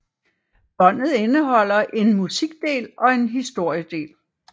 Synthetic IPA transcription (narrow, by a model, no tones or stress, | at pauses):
b̥ɒ̽n̰ð̞̩ˠe̝nəɦɒ̽l̰ɐʔe̝nmusiɡ̥̚d̥e̝̰ːlɒ̽e̝nɦisd̥o̝ɐ̰jəd̥e̝̰ːl